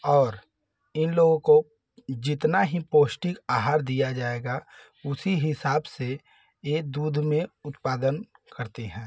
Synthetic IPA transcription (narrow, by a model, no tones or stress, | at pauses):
ɔːɾ | ɪnloːɡõko | d͡ʒɪt̪naɦipoːsʈɪkaːɦaːɾd̪ijad͡ʒaːeːɡa | ʊsiɦɪsaːbse | eːd̪uːd̪ʱmẽʊt̪paːd̪ənkɐɾt̪eɦɛ̃ː